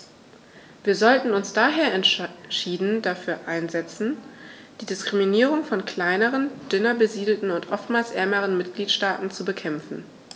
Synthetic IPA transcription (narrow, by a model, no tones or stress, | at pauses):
viːɐzɔltn̩ʊnsd̥aːɦeːɐɛntʃiːdn̩dafyːɐʔaɪnzɛt͡sn̩ | d̥iːdɪskʁ̥iminiːʁʊŋfɔnkʰl̥aɪnəʁənd̥ʏnɐbəziːdl̩tn̩ʊntʔɔftmaːlsʔɛɐməʁ̞ənmɪtɡ̥liːtʃtaːtn̩t͡subəkʰɛmfn̩